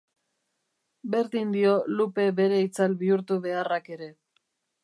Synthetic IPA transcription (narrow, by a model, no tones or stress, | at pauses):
be̞ɾðind̪io̞lupe̞βe̞ɾe̞it͡salβiuɾt̪uβe̞arake̞ɾe̞